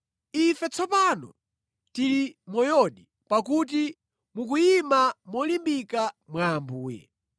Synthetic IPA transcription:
ifɛt͡sʰɔpanɔ̰ | tilimɔjɔɗi | pakut̬i | mukujimamɔlimbikamwaːmbuːjɛ̰

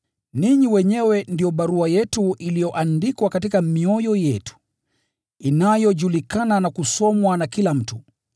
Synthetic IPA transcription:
niɲiwɛɲɛwɛndijɔɓaɾuajɛtuʔilijɔʔandikwakatikamiɔjɔjɛtu̥ | inajɔʄulikananakusɔmwanakilam̩tu

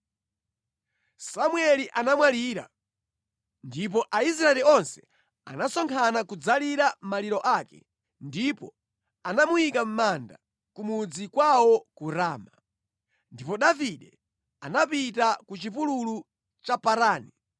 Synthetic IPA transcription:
samwɛliʔanamwaliːɾa̰ | ndip̬ɔʔaisɾaɛliɔnsɛ̥ | a̰nasɔŋkʰanakud͡zaliɾam̩maliɾɔʔakɛ̰ | ndipɔ | anamujikam̩manda̰ | kumud͡zikwawɔkuɾaːma | ndipɔɗaviɗɛ | anapitakut͡ʃipululu | t͡ʃapaɾaːni

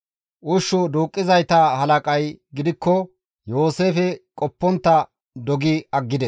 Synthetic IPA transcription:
ʔʊʃːʊd̪uːkʼːɪzɐjt̪ɐhɐlɐkʼɐjɡɪd̪ɪkːɔ | jo̞ːse̞ːfɛkʼɔpːɔnt̪ːɐ | d̪ɔɡɪɐɡːɪd̪ɛs

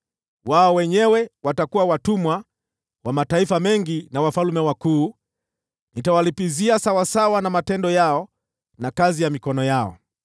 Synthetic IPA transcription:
waɔwɛɲɛwɛwatakuwawatumwa | wamataifamɛŋɡinawafalumɛwakuː | nitawalipiziasawasawanamatɛndɔjaɔ | nakazijamikɔnɔjaɔ̰

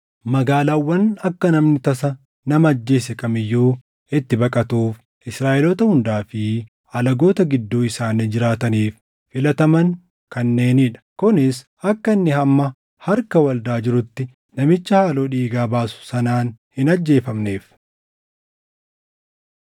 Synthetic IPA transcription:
mɐɡaːlaːwːɐnɐkːɐnɐmnɪt̪ɐsɐ | nɐmɐːd͡ʒːe̞ːs̬ɛkɐmɪjːuː | ɪt̪ːɪbɐkʼɐt̪uːf | ɪsɾaːʔɛloːt̪ɐhʊnd̪aːfɪ | ɐlɐɡo̞ːt̪ɐɡɪd̪ːuːɪsaːnɪd͡ʒɪɾaːt̪ɐniːfː | ɪlɐt̪ɐmɐn | kɐnːe̞ːniːᶑɐ̥kʊnɪs | ɐkːɐnːɪhɐmːɐ | hɐɾkɐwɐld̪aːd͡ʒɪɾʊt̪ːɪ | nɐmɪt͡ʃːɐhaːlo̞ːᶑiːɡaːbaːsʊ̥sɐnaːnhɪnɐd͡ʒːe̞ːfɐmne̞ːf

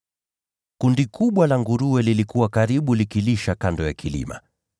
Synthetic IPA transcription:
kundikuɓwalaŋɡuɾuwɛlilikuwakaɾiɓulikiliʃakandɔjakilḭma̰

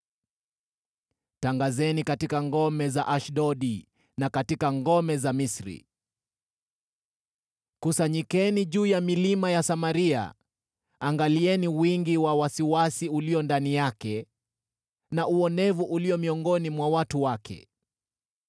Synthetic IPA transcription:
taŋɡazɛnikatikaŋɡɔmɛzaʔaʃɗɔɗi | nakatikaŋɡɔmɛzamisɾḭ | kusaɲikɛniʄuːjamilimajasamaɾia̰ | aŋɡaliɛniwiŋɡiwawasiwasiuliɔndanijakɛ | naʔuɔnɛvuʔuliɔmiɔŋɡɔnimwawatuwakʰɛ̰

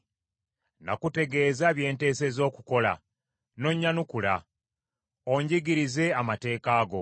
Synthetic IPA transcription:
na̰kute̞ɡe̞ːzaβje̞ːnte̞ːse̞zo̞ːkuko̞la̰ | no̞ɲːanukula̰ | oɲɟiɡiɾize̞amate̞ːkaːɡo̞̰

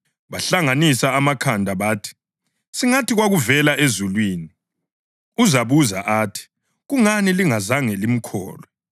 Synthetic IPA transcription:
βaɬaŋanisaːmakʰandʱaβaːtʰi̥ | siŋatʰiɣwaɣuvɛlaʔezulwiːni | uzaβuza̰ʔaːtʰi̥ | ɣuŋaniliŋazaŋɛlim̩kʰɔ̰ːlɛ

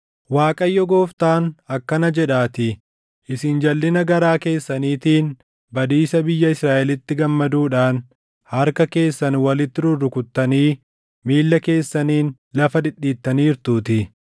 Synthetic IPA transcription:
waːkʼɐjːɔɡo̞ːft̪aːnɐkːɐnɐd͡ʒɛᶑaːt̪ɪ | ʔɪsɪnd͡ʒɐlːɪnɐɡɐɾaːke̞ːsːɐniːt̪iːn | bɐd̪iːsɐbɪjːɐɪsɾaːʔɛlɪt̪ːɪɡɐmːɐd̪uːᶑaːn | hɐɾkɐke̞ːsːɐnwɐlɪt̪ːɪɾʊrːʊkʊt̪ːɐniː | miːlːɐke̞ːsːɐniːn | lɐfɐd̪ɪɗːiːt̪ːɐniːɾt̪uːt̪ɪ

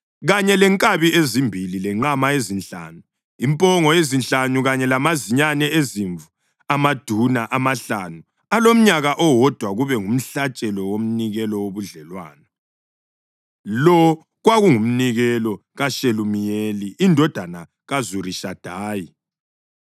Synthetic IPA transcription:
ɣaɲɛlɛŋkʼaβiezimbʱililɛŋ͡ǃamaezinɬa̰ːnu | impʼɔŋɔjezinɬanuɣaɲɛlamaziɲanɛeziɱvu | amad̥ʱunaʔamaɬanu | alom̩ɲaɣaʔɔwɔd̥ʱwaɣuβɛŋum̩ɬat͡ʃʼɛlɔwom̩niɣɛlɔwoβuɮɛlwaːna | lɔ | ɣwaɣuŋum̩niɣɛlɔ | ɣaʃelumijeliʔindʱɔd̥ʱana | ɣazuriʃad̥ʱaːji

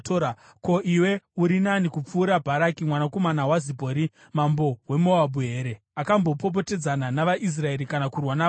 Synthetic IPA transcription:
toɾa | ko̞ʔiwe̞uɾinanikup͡fuːɾabʱaɾakimwanako̞manawazibʱoɾi | mambo̞we̞mo̞abuɦe̞ːɾe | akambo̞pop̬o̞te̞d͡zananaʋaʔis̬rae̞ɾikanakurwana

